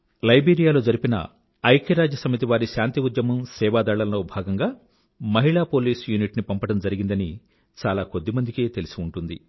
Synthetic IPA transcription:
lɐjbeːɾijaːlo̞ːd͡ʒɐɾipinɐ̰ | ɐjkɐɾaːd͡ʒjɐsɐmit̪iʋaːɾiʃaːnt̪iud̪jɐmɐmsɛːʋaːd̪aːɭɐlɐloːbʱaːɡɐŋɡaː | mɐɦiɭaːpo̞ːliːsjuːniʈnipɐmpɐɽɐmd͡ʒɐɾiɡind̪ɐni | t͡ʃaːlaːkod̪ːimɐnd̪ike̞ːt̪e̞lisiuɳʈund̪ḭ

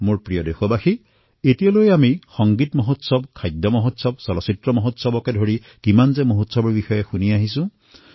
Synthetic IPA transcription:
moɹpɹijɔdexɔbaxi | etijalojamixɔŋɡitmoɦot̪sɔbkʰajd̪ʱjɔmɔɦotsɔbsɔlɔsitɹɔmɔɦot̪sɔbɔkedʱoɹi | kimanzemoɦot̪sɔbɔɹbixɔjɔxuniaɦisũ

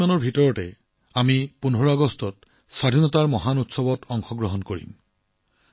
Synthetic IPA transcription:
anɔɹbʱitɔɹɔʈe | amipunɦɔɹaɡɔstɔt̚ | sad̪ʱinɔtaɹmɔɦanutsɔbɔtɔŋxɔɡɹɔɦɔnkoɹḭm

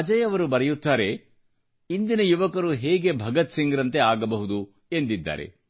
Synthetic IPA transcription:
ɐd͡ʒɐjɐʋɐɾubɐɾɛjut̪ːaːɾe̞ | ind̪inɐjuʋɐkɐɾuɦɛːɡe̞bʱɐɡɐt̪siŋɡɾɐnt̪eaːɡɐbɐɦud̪u | end̪id̪ːa̰ːɾḛ

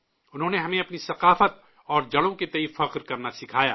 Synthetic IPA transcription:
ʊnɦõːneɦɐmẽɐpnisɐqaːfət̪̚ | ɔːɾd͡ʒɐɽõket̪ɐifɐqɾkɐɾnasɪkʰaːja̰ː

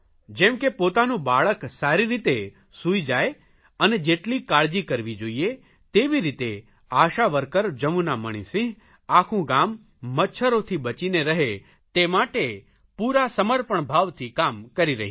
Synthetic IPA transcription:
d͡ʒɛmkepot̪anũbaɭəksaɾiɾit̪e | suid͡ʒae | əned͡ʒeʈlikaɾd͡ʒikəɾʋid͡ʒoie | t̪eʋiɾit̪e | aʃaʋəɾkəɾd͡ʒəmunaməɽ̃ḭsĩɦ | akʰũɡamː | ətːʃʰəɾot̪ʰibət͡ʃineɾəɦe | t̪emaʈe | puɾasəməɾpəɳbʱaʋt̪ʰikamkəɾiɾəɦĩ

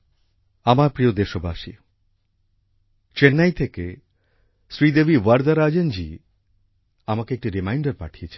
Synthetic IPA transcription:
amaɾpɾijod̪eʃobaʃḭ | t͡ʃenːajt̪ʰeke | sɾid̪ebʱiwaɾd̪aɾad͡ʒend͡ʒḭ | amakeek̚ʈiɾimajɳɖaɾpa̰ʈʰijet͡ʃʰe̥

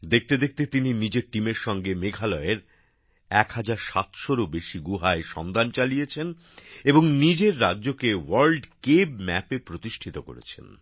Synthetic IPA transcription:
d̪ek̚ʰt̪ed̪ek̚ʰt̪et̪ininid͡ʑeɾʈimeɾʃɔŋɡemeɡʱalɔeɾ | ɛkhad͡ʑaɾʃat̪ʃoɾobeʃiɡuɦaeʃɔ̰nd̪ant͡ɕalijet͡ɕʰen | eboŋnid͡ʑeɾːadːʑokewaɾlɖkebmɛ̰pepɾot̪iʃʈʰit̪oko̰ɾḛt͡ɕʰḛn

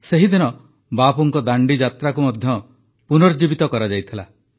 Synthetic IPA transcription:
seɦid̪inɔ | bapuŋkɔd̪aɳɖid͡ʒat̪ɾakumɔd̪ʱjɔ | punɔɾd͡ʒibit̪ɔkɔɾad͡ʒajt̪ʰila̰

